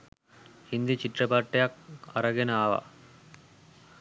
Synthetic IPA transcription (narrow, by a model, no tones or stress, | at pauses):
hind̪it͡ʃiʈɾɐpaʈːejakɐɾɐɡenəaːʋɐ̰